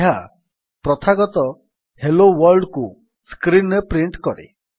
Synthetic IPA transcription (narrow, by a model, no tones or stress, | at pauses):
ɦa | pɾɔt̪ʰaɡɔt̪ɔ | helowɔɾɖku | skɾinpɾiɳʈkɔɽḛ